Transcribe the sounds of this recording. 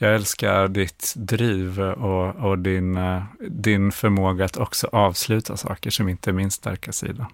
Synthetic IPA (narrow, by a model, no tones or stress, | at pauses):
jɑːɡɛlska̰ɾɖ̪ɪt̪d̪ɾiːvɔɔd̪ɪnd̪ɪnfœɾmoːɡaat̪ʰɔksɔʔɑːvslʉ̟ːt̪ʰasɑ̰ːkəʂɔmɪnt̪əæɾmɪnst̪a̰ɾkʰasḭːd̪a